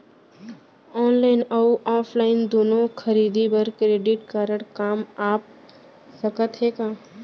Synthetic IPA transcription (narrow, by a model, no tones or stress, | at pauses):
ɔːnlaːɪnɐuʔaːpʰlaːɪnd̪oːnõkʰɐɾiːd̪ibɐɾkɾeːɖɪʈkaːɾəɽkaːmaːp̚ | sɐkət̪ɦeːkaː